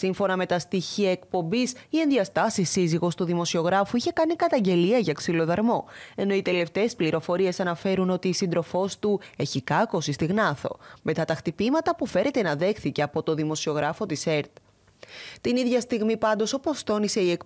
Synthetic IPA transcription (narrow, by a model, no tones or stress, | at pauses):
siɱfo̞nɐme̞t̪ɐst̪içiɐekpo̞mbisie̞nðiɐst̪ɐsisːiziɣo̞st̪uðimo̞sio̞ɣɾɐfuiçe̞kɐnikɐt̪ɐɲɟe̞liɐʝɐksilo̞ðɐɾmo̞e̞no̞it̪e̞le̞ft̪eːspliɾo̞fo̞ɾie̞sɐnɐfe̞ɾuno̞t̪iːsind̪ɾo̞fo̞st̪ue̞çikɐko̞sist̪iɣnɐθo̞̰me̞t̪ɐt̪ɐxt̪ipimɐt̪ɐpufe̞ɾe̞t̪e̞nɐðe̞xθice̞ɐpo̞t̪o̞ðimo̞sio̞ɣɾɐfo̞t̪ise̞ɾt̪ | t̪iniðʝɐst̪iɣmipɐnd̪o̞so̞po̞st̪o̞nise̞ie̞k